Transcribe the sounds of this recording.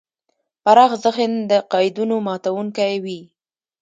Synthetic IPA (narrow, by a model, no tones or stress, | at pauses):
paɾɑxzəxend̪əqɑjd̪unomɑt̪awuŋkajwi